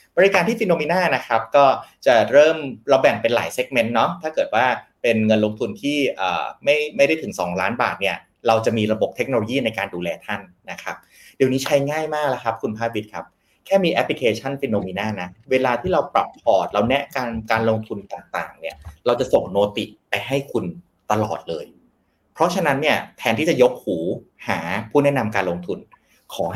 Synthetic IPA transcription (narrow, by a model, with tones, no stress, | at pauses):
bɔː˧ɾi˦˥kaː˧nt̪ʰiː˥˩i˧noː˧miː˧naː˥˩na˦˥kʰɾa˦˥p̚kɔː˥˩t͡ɕa˨˩ɾɤː˥˩mɾa˧wbɛ˨˩ŋpe˧nla̰ː˩˦jse˦˥k̚me˦˥nːɔ˦˥t̪ʰaː˥˩kɤː˨˩t̪̚waː˥˩pe˧nŋɤ˧nloː˧ŋt̪ʰu˧nt̪ʰiː˥˩ʔə̰ː˨˩ma˥˩jma˥˩jɾa˥˩t̪ʰɯ˩˦ŋsɔ̰ː˩˦ŋlaː˦˥nbaː˨˩t̪̚ni˥˩ɐ | ɾa˧wt͡ɕa˨˩ʔmiː˧ɾa˧bo˨˩p̚t̪ʰe˦˥k̚noː˧loː˧jiː˥˩na˧jkaː˧nduː˧lɛː˧t̪ʰa˥˩nːa˦˥kʰa˦˥p̚ | di˧niː˦˥t͡ɕʰa˦˥jŋaː˥˩jmaː˥˩k̚la˦˥kʰa˦˥p̚kʰu˧npʰaː˥˩wi˦˥t̪̚kʰa˦˥p̚ | kʰɛː˥˩miː˧ʔɛ˦˥pli˧kʰeː˧t͡ɕʰa˥˩nfi˧noː˧miː˧naː˥˩na˦˥weː˧laː˧t̪ʰiː˥˩ɾa˧wpɾa˨˩pʰːlɔː˨˩t̪̚la˧wnɛ˦˥ʔkaː˧nkaː˧nlo˧ŋt̪ʰu˧nt̪aː˨˩ŋt̪a̰ː˨˩ŋni˥˩ɐɾa˧wt͡ɕa˨˩ʔso˨˩ŋnoː˧t̪ḭ˨˩pa˧jɦa˥˩jkʰu˧n | t̪a˧lɔ̰ː˨˩t̪̚lɤː˧j | pʰɾɔ˦˥t͡ɕʰa˧na˦˥nːi˥˩ɐt̪ʰɛː˧nt̪ʰiː˥˩t͡ɕa˨˩jo˦˥p̚huː˩˦haː˩˦pʰuː˥˩nɛ˦˥na˧mkaː˧nloː˧ŋt̪ʰu˧n | kʰɔː˩˦